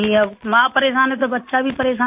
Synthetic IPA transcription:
ĩəmãːpəɾeːʃaːnɛt̪obətːʃabʱipəɾeːʃaː

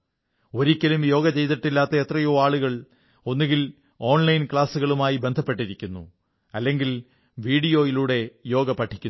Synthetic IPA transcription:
o̞ɾikʲːɐlumjo̞ːɡɐt͡ɕe̞jt̪̬iʈːilːaːt̪ːɐet̪rɐjoaːɭuɣɐɭ | o̞nːuɣil | o̞ːnlɐjnkɭaːsuɣɐɭumaːjibe̞nd̪ʱɐpːe̞ʈːiɾikʲːunːṵ | ɐlːe̞ŋɡil | ʋiːɽijo̞ːjiluːɽe̞jo̞ːɡɐpɐʈʰːi̥kʲːu

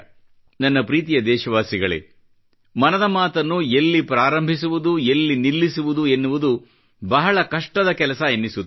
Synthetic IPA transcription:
nɐnːɐpɾiːt̪̬ijɐd̪ɛːʃɐʋaːsiɡɐɭḛ | mɐnɐd̪ɐmaːt̪ɐnːuelːipɾaːɾɐmbʱis̬uʋud̪uelːinilːisuʋud̪ue̞nːuʋud̪u | bɐɦɐɭɐkɐʂʈɐd̪ɐkɛlɐsɐenːisu

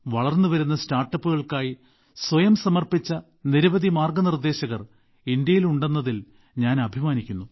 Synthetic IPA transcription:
ʋɐɭɐrnːuʋɐɾun̪ːɐstaːrʈːɐpːuɣɐɭkaːji | swɐjɐmsɐmɐrpit͡ɕːɐ | niɾɐʋɐd̪imaːrɡɐnird̪e̞ːɕɐɣɐr | ind̪jɐjiluɳɖe̞nːɐðil | ɲaːnɐbʱimaːnikʲːunːu

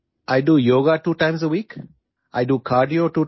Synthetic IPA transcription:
ʔaɪɖuːjoːɡaʈuːʈãɪ̃msəwiːk | ʔaɪɖuːkʰaːɾɖioːʈuː

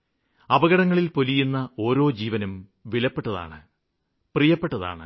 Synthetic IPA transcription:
ɐbɐɣɐɽɐŋːɐɭilpolijunːɐo̞ːɾo̞ːd͡ʑiːʋɐnɐm | ʋilɐpːe̞ʈːɐða̰ːɳɨ | prijɐpːe̞ʈːɐða̰ːɳɨ̰

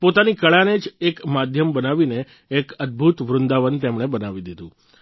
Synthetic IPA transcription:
pot̪anikəɭaned͡ʒekmad̪ʱjəmbənaʋineː | kəd̪̚bʱut̪ʋɾʊnd̪aʋənt̪emɳ̃ebənaʋid̪id̪ũ

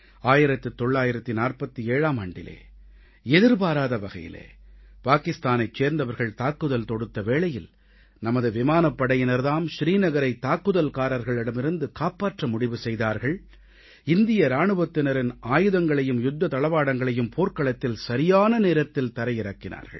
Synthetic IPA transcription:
aːjɪɾɐt̪ːɯt̪ːɔɭːaːjɪɾɐt̪ːinaːrpɐt̪ːɯeːɻaːmɐɳɖɪ̰lḛː | ɛðɪɾpaːɾaːðɐʋɐɣɐ̰jɪ̰lḛːpaːkɪst̪aːnɐɪt͡ʃːeːɾnd̪ɐʋɐɾɣɐɭt̪aːkːɯðɐlt̪ɔɽɯt̪ːɐʋeːɭɐjɪl | nɐmɐðɯʋɪmaːnɐpːɐɽɐjɪnɐɾðaːmʃɾiːnɐɣɐɾɐɪt̪ːaːkːɯðɐlkaːɾɐɾɣɐɭɪɽɐmɪɾɯnd̪ɯkaːpaːʈrɐmʊɽɪʋɯsɛjðaːɾɣɐɭ | ɪnd̪ɪjɐɾaːɳɯʋɐt̪ːɪnɐɾɪnaːjɯðɐŋɡɐɭɐjɯmjʊd̪ːɐt̪ɐɭɐʋaːɽɐŋɡɐɭɐjɯmpʰoːɾkɐɭɐt̪ːɪlsɐɾɪjaːnɐneːɾɐt̪ːɪlt̪ɐɾɐjɪɾɐkːɪna̰ːɾɣɐ̰ɭ

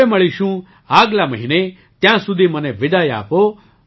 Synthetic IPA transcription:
emɐɭiʃũ | aːɡlaməɦine | t̪jãːsud̪ʱiməneʋɪd̪aja̰ːpo

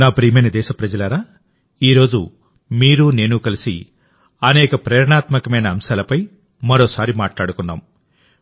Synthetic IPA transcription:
naːpɾiːmɐnɐd̪ɛːʃɐpɾɐd͡ʒɐlɐːɾaː | iːɾo̞ːd͡ʒṵ | miːɾune̞ːnukɐlisḭ | ɐnɛːkɐpɾɛːɾɐɳaːt̪mɐkɐmɐjnɐːmʃaːlɐpɐj | mɐɾoːsaːɾimaːʈlaːɽukunːa̰ːm

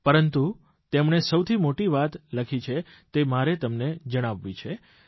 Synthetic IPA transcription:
pəɾənt̪u | t̪emɳ̃esəwt̪ʰimoʈiʋat̪ləkʰit͡ʃʰe | t̪emaɾet̪əmned͡ʒəɽ̃aʋːit͡ʃʰe

